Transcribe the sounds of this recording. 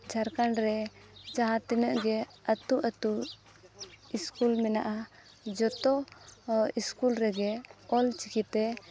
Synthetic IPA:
d͡ʒaɾkanɾɛd͡ʒaɦãt̪inəʔɡɛət̪uʔət̪u | iskulmɛnaʔa | d͡ʒɔt̪ɔ | iskulɾɛɡɛɔlt͡ʃikit̪ɛ

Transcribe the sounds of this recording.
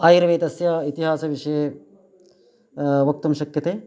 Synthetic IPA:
aːjiɾɐʋeːt̪ɐsjait̪iɦaːsɐʋiʂɐje | ʋɐk̚t̪ɐmʃɐkjɐt̪eː

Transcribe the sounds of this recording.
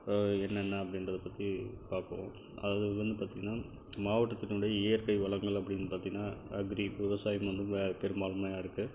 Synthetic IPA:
ɛnːɐɛnːɐɐpːɐɽɪnɾɐðɐpːɐt̪ːipaːɾkɐʋõ̰ː | ʔɐ̰ðaːʋɐðɯʋɐnd̪ɯpaːɾt̪iŋɡɐnːaː | maːʋɐʈːɐt̪ːɪnɯɽɐjɐɪjɐɾkɐɪʋɐɭɐŋɡɐɭɐpːɐɽɪŋnɯpaːɾt̪iŋɐnːaːɐɡɾiʋɪʋɐsaːjɐmʋɐnd̪ɯpɛɾɯmbaːɭɐmaːjaːɪɾɯkːɯ

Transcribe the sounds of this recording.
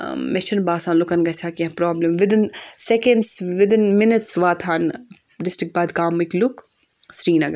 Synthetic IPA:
meʃɐnbaːsaːnlʊkɐnɡɐsʰaːkiɐ̃pɾɔːblɐmʋɪd̪ɪnsekenɖsʋɪd̪ɪnmɪnɐʈsʋaːt̪ʰaːn | ɖɪsʈɾɪk̚baːd̪kaːmiklʊk | sɾiːnɐɡɐ

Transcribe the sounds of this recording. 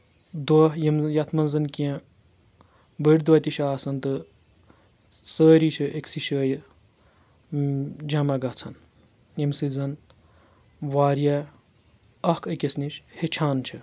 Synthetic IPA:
d̪wɐɦjimjɐt̪ʰmɐnzɐnkijɐ̃ | bəɽʲd̪ɐt̪iʃaaːsɐnt̪ɨ | səːɾit͡ʃʰɨʔeksiʃəːj | d͡ʒɐmɐɡɐt͡sʰɐn | jimsɨzɐn | ʋaːɾjɐ | ɐhkʰɐkesniʃhet͡ʃʰaːnt͡ʃʰɐ

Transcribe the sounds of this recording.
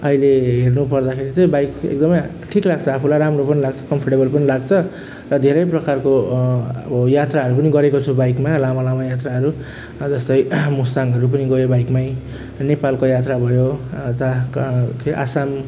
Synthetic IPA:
ʌileɦernupʌrd̪akʰeɾit͡sʌj̃bajkḛk̚d̪ʌmʌj | ʈʰiklaɡ̚t͡sʰʌapʰulajɾamropʌnilaɡt͡sʰʌkʌmpʰʌʈebʌlpʌnilaɡ̚t͡sʰʌ | rʌd̪ʱeɾʌjprʌkarkoʌbʌjat̪raɦʌɾupʌniɡʌɾekot͡sʰubajkmalamalamajat̪̬raɦʌɾu | d͡zʌst̪ʌjmust̪aŋɡɦʌɾup̬ʌniɡʌjobajkmaj | nepalkojat̪rabʱʌjot̪akʰeʔa̰sam

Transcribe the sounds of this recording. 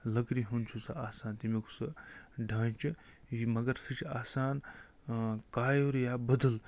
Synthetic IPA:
lɐkɾiɦunt͡ʃʰusɐ̰aːsaːnt̪imikʰu̥sɐɖʱaːnt͡ʃʰi | jimɐɡɐɾsʰit͡ʃʰaːsaːn | kaːjoɾjaːbɐd̪əl

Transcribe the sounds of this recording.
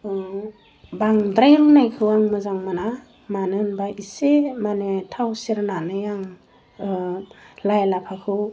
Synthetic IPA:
baŋdɾajɾunajkʰɯwaŋmɯzaŋmana | manɯnbaʔisemanetʰawsiɾnanɯjaŋ | lajlapʰakʰɯw

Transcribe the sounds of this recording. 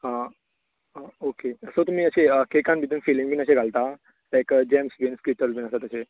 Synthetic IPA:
ə | okeəsət̪um̤iːəɕeəkekãnbid̪ənfilĩŋbʱiːnəɕeɡʱalt̪a | laɪjkəd͡ʑɛmsʋenskiʈəɾbʱiːnəsat̪əɕe

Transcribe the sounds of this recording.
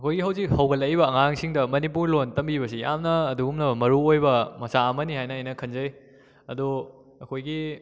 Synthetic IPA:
ɐkʰojɡiɦɐwzik̚hɐwɡɐlɐjβɐːŋaŋsiŋdɐmɐnipuɾlontɐmbibɐsija̰mnɐːduɡumnɐmɐɾuojbɐmɐsaɐmɐniɦajnɐɐjnɐkʰɐnzɐj | ɐdu | ɐkʰojɡi

